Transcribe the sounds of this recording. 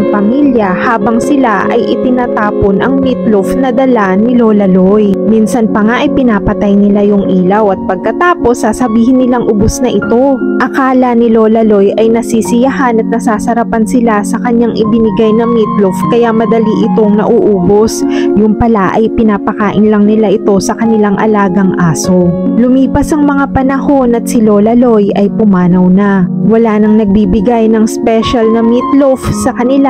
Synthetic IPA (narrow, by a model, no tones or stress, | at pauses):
ŋpɐmiljɐhaːbɐŋsɪlaʔɐ̰jʔɪt̪ɪnaːt̪aːpo̞nʔɐŋmit̪lofnɐd̪ɐlanɪloːlɐlo̞jminsɐnpɐŋaʔɐjpɪnaːpɐt̪ajnɪlajʊŋʔiːlɐwɐt̪̚pɐɡ̚kɐt̪aːpo̞sːaːsɐbiːhɪnːɪlaŋʔʊbosnɐʔɪt̪o̞ʔɐkaːlɐnɪlo̞ːlɐlo̞jʔɐjnɐsiːsɪjɐhanɐt̪̚nɐsaːsɐɾɐpɐnsɪlasɐkɐɲːaŋʔɪ̰bɪnɪɡajnɐmit̪̚lofkɐjamɐd̪ɐliʔɪt̪o̞ŋnɐ̰ʔuːʔuːbo̞sjʊŋpɐlaʔɐjpɪnaːpɐkaːʔɪnlɐŋnɪlaʔɪt̪o̞sɐkɐnɪlaŋʔɐ̰laːɡɐŋʔaːso̞lʊmiːpɐsɐŋmɐŋapɐnɐho̞nɐt̪̚sɪlo̞ːlɐlo̞jʔɐjpʊmaːnɐwnɐwɐlaːnɐŋnɐɡ̚biːbɪɡajnɐŋspɛʃɐlnɐmit̪lofsɐkɐnɪla